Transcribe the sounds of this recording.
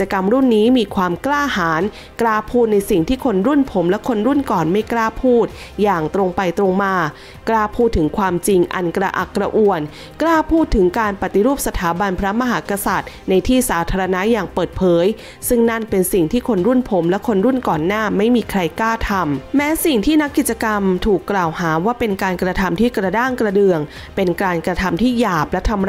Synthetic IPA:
t͡ɕa˧ka˧mɾu˥˩nːiː˦˥miː˧kʰwaː˧mklaː˥˩haː˩˦n | klaː˥˩pʰuː˥˩t̪̚na˧jsi˨˩ŋt̪ʰiː˥˩kʰo˧nɾu˥˩npʰo˩˦mlɛ˦˥kʰo˧nɾu˥˩nkɔː˨˩nma˥˩jklaː˥˩pʰuː˥˩t̪̚ | jaː˨˩ŋt̪ɾo˧ŋpa˧jt̪ɾo˧ŋmaː˧ | klaː˥˩pʰuː˥˩t̪ʰːɯ˩˦ŋkʰwaː˧mt͡ɕi˧ŋʔa̰˧nkɾa̰˧ʔa̰˨˩kːɾa˧ʔu˨˩ən | klaː˥˩pʰuː˥˩t̪ʰːɯ˩˦ŋkaː˧npa˨˩t̪i˧ɾuː˥˩p̚sa˧t̪ʰaː˩˦ba˧npʰɾa˦˥ma˧ɦaː˩˦˥ka˧sa˨˩t̪̚ | na˧jt̪ʰiː˥˩saː˩˦t̪ʰaː˧ɾa˧na˦˥jaː˨˩ŋpɤː˨˩t̪̚pʰɤː˨˦j | sɯ˥˩ŋna˥˩npe˧nsi˨˩ŋt̪ʰiː˥˩kʰo˧nɾu˥˩npʰo˩˦mlɛ˦˥kʰo˧nɾu˥˩nkɔː˨˩nːaː˥˩ma˥˩jmiː˧kʰɾa˧jklaː˥˩t̪ʰa˧mmɛː˦˥si˨˩ŋt̪ʰiː˥˩na˦˥kːi˨˩t͡ɕa˧ka˧mt̪ʰuː˨˩kːlaː˨˩whaː˩˦waː˥˩pe˧nkaː˧nkɾa˧t̪ʰa˧mt̪ʰiː˥˩kɾa˧daː˥˩ŋkɾa˧dɯ˨˧əŋ | pe˧nkaː˧nkɾa˧t̪ʰa˧mt̪ʰiː˥˩jaː˨˩p̚lɛ˦˥t̪ʰa˧mɾ

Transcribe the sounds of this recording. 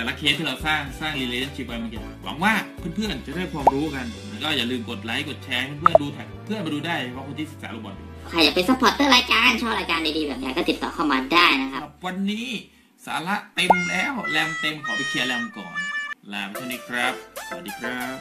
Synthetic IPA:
ɛː˨˩la˦˥kʰeː˦˥t̪ʰiː˥˩ɾa˧wsaː˥˩ŋsaː˥˩ŋli˧leː˧t͡ɕa˦˥˩t͡ɕʰi˦˥p̚wa˧jma˧ŋke˧˩wa̰˩˦ŋwaː˥˩pʰɯ˥˩npʰɯ˥˩ənt͡ɕa˨˩ʔda˥˩jkʰwaː˧mɾuː˦˥˨ka˧nma˧nkɔː˥˩jaː˨˩lɯː˧mko˨˩t̪̚la˦˥jko˨˩t̪̚t͡ɕʰɛː˧pʰɯ˥˨pʰɯ˥˩˥nduː˧t̪ʰɛ˨˩k̚pʰɯ˥˩ənma˧duː˧daː˥˩ja˧pʰɔ˦˥kʰo˧t̪ʰi˥˩sɯ˨˩ksaː˩˦ɾo˧˩mwɔː˧njṵ˨˩kʰaː˧˩ja˨˩pe˧nsa˧˥pʰɔː˨˦˥t̪ːɤː˥˩ɾaː˧jkaː˧nt͡ɕʰɔː˥˩ɾaː˧jkaː˧nda˧jdiː˧bɛː˨˩ja̰ː˨˧˩kɔː˥˩t̪i˨˩t̪ːɔː˨˩kʰa˥˩wmaː˧daː˥˩jna˦˥kʰa˦˥p̚wa˧nːiː˦˥ | sa̰ː˩˦la˦˥ʔt̪e˧mlɛː˦˥wlɛ˧mt̪e˧mkʰɔː˨˩˦ʔi˧kʰiː˧ʔa˧lɛ˧mkɔ̰ː˨˩nlaː˧mkʰaː˧˥˩ni˦˧˥kʰɾa˦˥p̚sa˨˧˩diː˧˩kʰɾa˦˥p̚

